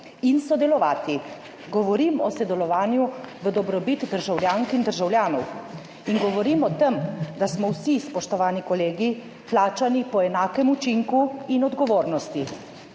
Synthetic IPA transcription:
insɔd̪ɛlɔʋaːt̪i | ɡɔʋɔɾimɔsɔd̪ɛlɔʋaːnjuʋəd̪ɔbɾɔbit̪d̪əɾʒawljaːŋkind̪əɾʒawljaːnɔw | inɡɔʋɔɾimɔt̪emd̪asmɔwsispɔʃt̪ɔʋaːnikɔleːɡi | plaːt͡ʃanipɔɛnaːkɛmut͡ʃiŋkuinɔd̪ɡɔʋoːɾnɔst̪i

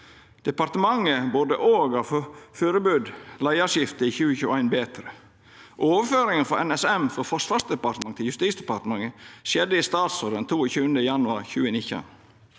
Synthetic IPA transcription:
d̪̥ɛpɑɾt̪əmɑŋəboːd̪ə̰ʔoːɡɑʋføːɾəbʉːd̪læɪɑʂjɪft̪əiːçʉːəçʉːʔæɪnbeːt̪ɾə | ʔoːʋəføːɾɪŋəfɔɛnɛsɛmfɔɾfɔʂʋɑʂd̪ɛpɑɾt̪əmɑŋt̪ʰɪljʉst̪iːsd̪ɛpɑɾt̪əmɑŋəʃjɛd̪əist̪ɑːt̪soːɾənt̪ʰuːoçʉːənd̪əjɑnʉɑ̰ɾçʉːənɪçɑ̰n

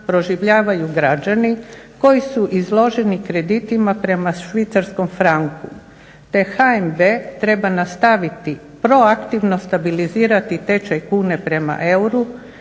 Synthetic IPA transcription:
pɾo̞ʒiʋʎaːʋajuɡɾad͡ʒani | ko̞jisuʔizlˠo̞ʒe̞nikɾe̞d̪it̪imapɾe̞maʃʋit̪saɾsko̞mfɾaŋku | t̪e̞xaembe̞t̪ɾe̞banast̪aʋit̪i | pɾo̞akt̪iʋno̞st̪abiliziːɾat̪it̪e̞t͡ʃajkuːne̞pɾe̞ma̰ʔe̞wɾu

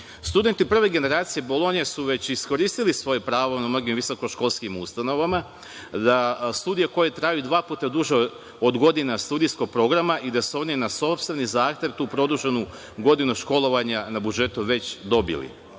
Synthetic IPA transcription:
st̪ud̪e̞nt̪ipr̩ʋe̞ɡe̞ne̞ɾaːt̪sije̞bo̞lˠo̞nijesuʋe̞t͡ɕisko̞ɾiːst̪ilisʋo̞jepɾaːʋonamno̞ɡimʋiso̞ko̞ʃko̞lˠskimust̪ano̞ʋama | d̪ast̪ud̪ijako̞jet̪ɾajud̪ʋaːput̪ad̪uʒe | od̪ɡo̞d̪inast̪ud̪ijsko̞ɡ̚pɾo̞ɡɾamaʔid̪asuo̞ninaso̞pst̪ʋe̞nizaːxt̪ʲje̞ʋt̪uːpɾo̞d̪uʒenu | ɡo̞d̪inuʃko̞lˠo̞ʋaɲanabud͡ʒe̞t̪uʋe̞t͡ɕd̪o̞bḭlḭ

